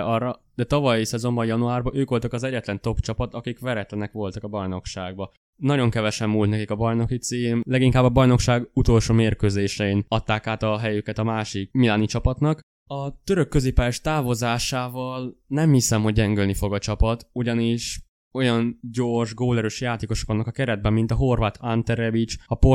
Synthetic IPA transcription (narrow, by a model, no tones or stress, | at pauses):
ɒrɒ | d̪̥ɛt̪ɒvɒjsɛzo̞mbɒjɒnuaːrbɒʔøːkʋo̞lt̪ɒkɒzɛɟːɛt̪lɛnt̪o̞pt͡ʃɒpɒt̪ɒkikvɛɾɛt̪lɛnɛkʋo̞lt̪ɒkɒbɒjno̞kʃaːɡ̚bɒ | nɒɟo̞ŋkɛvɛʃɛmːuːlt̪nɛkikɒbɒjno̞kit̪siːmlɛɡiŋkaːbːɒbɒjno̞kʃaːɡut̪o̞lʃoːmeːrkøːzeːʃɛinɒt̪ːaːkaːt̪ɒɦɛjøkɛt̪ɒmaːʃik̚milaːnit͡ʃɒpɒt̪nɒk | ɒt̪øɾø̞kːø̞zeːpaːjɛʃt̪aːvo̞zaːʃaːvɒlnɛmhisɛmɦo̞ɟ̚ːɛŋɡølnifo̞ɡɒt͡ʃɒpɒt̪uɟɒniʃ | o̞jɒnɟo̞rʒɡoːlɛɾøʃjaːt̪eːko̞ʃokɒnːɒkɒkɛɾɛd̪̚bɛmːint̪ɒɦo̞rvaːt̪ʰant̪ɛɾɛvit͡ʃɒpo